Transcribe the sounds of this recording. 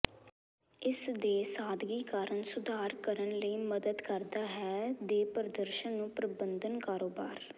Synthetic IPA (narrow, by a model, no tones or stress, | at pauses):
ɪsd̪eːsaːd̪ɡiːkaːɾəɳsʊd̪ʱaːɾkəɾənləiːməd̪əd̪kəɾd̪aːɦɛːd̪eːpəɾəd̪əɾʃənːũːpɾəbənd̪ənkaːɾoːbaːɾ